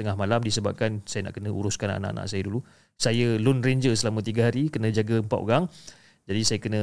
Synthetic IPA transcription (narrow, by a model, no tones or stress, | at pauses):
t̪əŋahmalamdisəba̰p̚kansajəna̰ʔkənəuɾuskana̰na̰ʔa̰nã̰ʔsajədulu | sajəlunreɲd͡ʒəsəlamə̃t̪iɡəɦaɾikənə̃d͡ʒaɡəəmpat̪o̰ɾaŋ | d͡ʒadisajəkənə̃